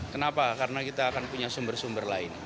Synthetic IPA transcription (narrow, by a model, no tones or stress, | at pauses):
kənapakaɾənakit̪aːkanpuɲasumbərsumbərlaɪn